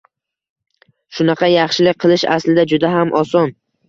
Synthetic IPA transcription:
ʃʊnɑqʰɑjɑχʃɪlɪk̚ʲqʰɨlˠɪʃa̰slɪd̪ad͡ʒʊd̪aɦamʔɒsɒn

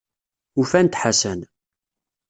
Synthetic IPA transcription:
ufænt̪ħasæn

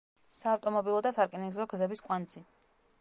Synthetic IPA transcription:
saːft̪ʼɔmɔbilˠɔd̪asaɾkʼɛnɛzɔɡzɛbiskʼwant̪sʰi

